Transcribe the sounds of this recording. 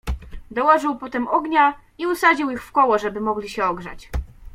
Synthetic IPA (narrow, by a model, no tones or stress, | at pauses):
d̪ɔwɔʐɘwpɔt̪ɛmɔɡɲa | iusad͡ʑiwixfkɔwɔʐɛbɘmɔɡlʲiɕɛɔɡʐa̰t͡ɕ